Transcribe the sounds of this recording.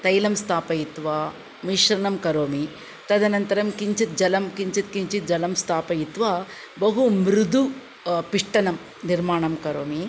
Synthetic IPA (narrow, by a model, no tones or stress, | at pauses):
t̪ɐjlɐmst̪ʰaːpɐjit̪ʋaː | miʃɾɐɳɐmkɐɾoːmi | t̪ɐd̪ɐnɐnt̪ɐɾɐmkiɲt͡ʃit̪̚d͡ʒɐlɐmkiɲt͡ʃit̪kiɲt͡ʃit̪̚d͡ʒɐlɐmst̪ʰaːpɐjit̪ʋaː | bɐɦumɾud̪u | piʂʈɐnɐm | niɾmaːɳɐmkɐɾoːmi